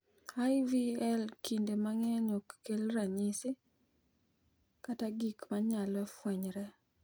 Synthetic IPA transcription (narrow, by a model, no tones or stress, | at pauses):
ajviɛlkindemaŋɛɲokːelɾaɲɪsɪ | kataɡikmaɲalɔfwɛɲɾɛ